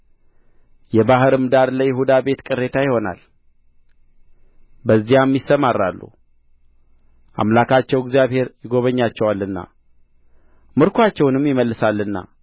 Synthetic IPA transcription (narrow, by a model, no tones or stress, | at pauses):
jɛbaɦɨɾɨmd̪aɾləjɪɦud̪abe̞t̪kʼɨrːe̞t̪ʰajɪho̞na̰l | bəzːijamːjisːəmarːalːṵ | ʔa̰mlakʰat͡ʃːɛwɪɡzijaβhe̞ɾjɪɡo̞βəɲːat͡ʃːɛwalːɨnːa̰ | mɨɾkʰʷat͡ʃːɛwnɨmjɪməlːɨsalːɨnːa̰